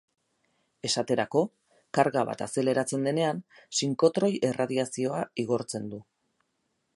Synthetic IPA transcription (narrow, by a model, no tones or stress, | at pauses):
e̞sat̪e̞ɾako̞ | kaɾɣaβ̞a̰t̪ase̞le̞ɾat͡se̞nd̪e̞ne̞ansiŋko̞t̪ɾo̞jʔe̞rʔað̞iasio̞aiɣ̞o̞ɾt͡se̞nd̪u